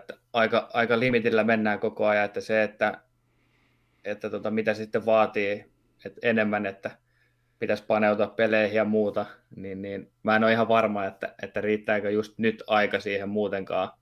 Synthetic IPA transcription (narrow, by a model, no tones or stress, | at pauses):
t̪ːæ̥ | ɑikɑɑikɑlimit̪ilːæmenːæːkokoɑjɑet̪ːæseet̪ːæ | et̪ːæt̪uot̪ɑmit̪æsesi̥t̪ːeʋʋɑːt̪iː | et̪enemːænet̪ːæ | pit̪æspɑneut̪uɑppeleihijɑmuːt̪ɑniːnniːn | mæːnoːihɑʋʋɑrmɑːet̪ːæ̰et̪ːæriːt̪ːæːkøjust̪nyt̪ɑikɑsiːhemmuːt̪eŋkɑː